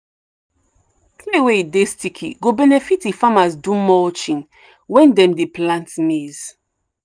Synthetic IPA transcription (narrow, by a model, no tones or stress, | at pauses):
kʰlewedestikʰḭɡobɛnɛfitifamazdũmɔt͡ʃĩn | wɛ̃ndɛ̃mdeplãntmez̥